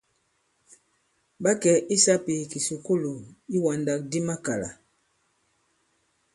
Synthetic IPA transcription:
ɓa˦kɛ˨ʔi˦sa˦pi˨ki˨su˨ku˦lu˨i˦wa˨nda˨˦k̚di˦ma˦ka˨la̰˨

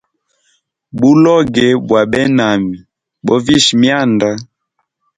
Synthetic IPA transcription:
bu˦lɔ˦ɡɛ˨bwa˨ɓɛ˦na˨mi˨ | bɔ˦vi˦ʃi˨mja˦˨nda˦

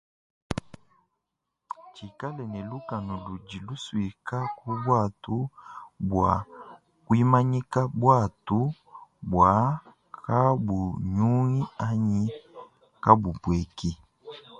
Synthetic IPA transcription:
t͡ʃi˨ka˦lɛ˨nɛ˨lu˦ka˨nɔ˨lu˨d͡ʒi˨lu˦swi˨ka˦ku˦bwa˦˨tu˦bwa̰˨ | kwi˦ma˦ɲi˦ka˦bwa˦˨tu˨˦ | bwa˨˦ | kʰa˦bu˨ɲu˦ŋi˦a˦ɲi˦ | ka˦bu˨bwɛ˨ki˦

